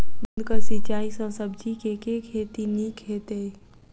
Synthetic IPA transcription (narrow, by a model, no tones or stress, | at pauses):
bənd̪kəsɪt͡ʃaːisə̃səbd͡ʒʱikekekʰeːt̪inikʰet̪e